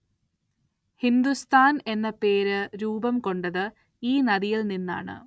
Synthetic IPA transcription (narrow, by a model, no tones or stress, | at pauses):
hind̪ust̪ʰaːne̞nːɐpe̞ːɾɨɾuːbɐmko̞ɳɖɐðɨ | iːnɐðijiɭninːa̰ːɳɨ̰